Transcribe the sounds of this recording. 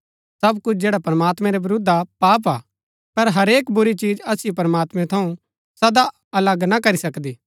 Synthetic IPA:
sɐbkʊt͡ʃʰd͡ʒeːɽapɾɐmaːt̪mɛ̃ɾɛʋɪɾʊd̪ʱapaːp̬aː | pɐɾɦɐɾeːkbʊɾit͡ʃiːd͡ʒɐsjopɐɾəmaːt̪mɛ̃t̪ʰɐũ | sɐd̪a | ɐləɡnakɐɾisɐkd̪iː

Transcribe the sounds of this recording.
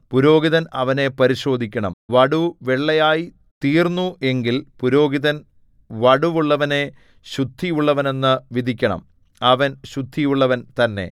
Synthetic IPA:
puɾo̞ːɡiðɐnɐʋɐne̞pɐɾiɕo̞ːd̪ʱikʲːɐɳɐ̰mʋɐɽuʋe̞ɭːɐjaːji | t̪iːrnːue̞ŋɡilpuɾo̞ːɡiðɐn | ʋɐɽuʋuɭːɐʋɐne̞ | ɕud̪ʱːijuɭːɐʋɐne̞nːɨʋid̪ʱikʲːɐɳɐ̰m | ɐʋɐnɕud̪ʱːijuɭːɐʋɐnt̪ɐnːe̞̰

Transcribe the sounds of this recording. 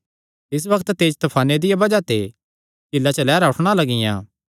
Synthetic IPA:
t̪ɪs̬bɐkt̪t̪eːd͡ʒt̪ɐpʰaːned̪ɪjabɐd͡ʒat̪ʰe | t͡ʃɪlːat͡ʃəlɛːɾaʊʈʰɽ̃alɐɡɪjã̰ː

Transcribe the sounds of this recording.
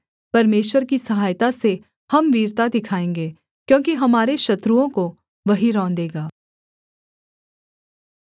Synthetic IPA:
pɐɾmeːʃwəɾkisɐɦaːjt̪ase | hɐmʋiːɾt̪ad̪ɪkʰaːẽːŋɡeː | kjõːkiɦɐmaːɾeʃɐt̪ɾuõko | ʋɐɦiɾɔ̃ːnd̪eːɡaː

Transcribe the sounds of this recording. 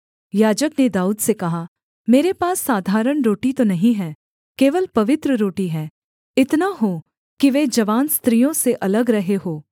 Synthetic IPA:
jaːd͡ʒəkned̪aːuːd̪sekɐɦa | meːɾepaːsːaːd̪ʱaːɾəɳɾoːʈit̪onɐɦĩɦɛː | keːʋəlpɐʋɪt̪ɾəɾoːʈiɦɛː | ɪt̪naɦoː | kiʋeːd͡ʒɐʋaːnst̪ɾiːjõseʔɐləɡɾɐɦeɦoː

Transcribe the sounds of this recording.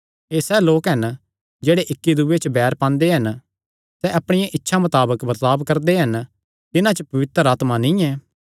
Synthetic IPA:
eːsɛːloːkɦɐn | d͡ʒeːɽeʔɪkːid̪uʋet͡ʃəbɛːɾpãːnd̪eɦɐn | sɛʔɐpɽ̃ɪjãʔɪtːʃʰamɐt̪aːbəkbɐɾt̪aːbkːɐɾd̪eɦɐn | t̪ɪnãt͡ʃəpɐʋɪt̪əɾaːt̪manɪ̃ɛ̃ː

